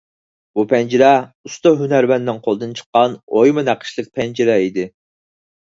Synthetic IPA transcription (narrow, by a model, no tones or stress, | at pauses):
bupʰɛnd͡ʒiɾɛust̪oɦynæɾbɛnːɪŋqʰolˠɨd̪ɨnt͡ʃʰə̥qːɑnojmɨnæqʰə̥ʃlˠɨk̚ʲpʰɛnd͡ʒiɾɛid̪ɪ